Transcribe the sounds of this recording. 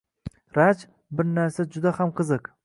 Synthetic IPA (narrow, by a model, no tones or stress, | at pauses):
ɾat͡ʃ | bɪɾnaɾsad͡ʒʊd̪ahamqʰɨzɨq